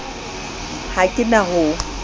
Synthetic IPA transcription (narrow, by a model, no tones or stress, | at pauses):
hakʼɪnaɦʊ